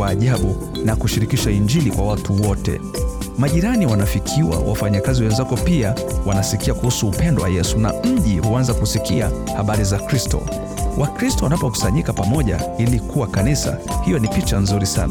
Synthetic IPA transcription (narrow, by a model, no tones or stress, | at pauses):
aːʄaɓu | nakuʃiɾikiʃaiɲd͡ʒilikwawatʰuwɔtɛ̰ | maʄiɾaniwanafikʰiwa̰wʔa̰faɲakaziwɛnzakɔpia | wanasikiakuhusuːpɛndɔwa̰jɛsuna̰m̩ʄihuanzakusikia | haɓaɾizakɾistɔ̰ | wʔakɾistɔwanapɔku̥saɲikapamɔʄailikuwakanisa̰hijɔnipit͡ʃanzuɾisa̰na